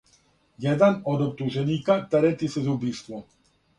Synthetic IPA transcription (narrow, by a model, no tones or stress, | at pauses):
jɛd̪anɔd̪ɔp̚t̪uʒɛɲiːkat̪ɛɾɛt̪isɛzubist̪ʋɔ